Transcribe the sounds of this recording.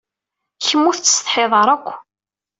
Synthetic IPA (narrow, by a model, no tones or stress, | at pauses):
çəmːuθt͡sːst̪ħɪðˤəɾˤækʷː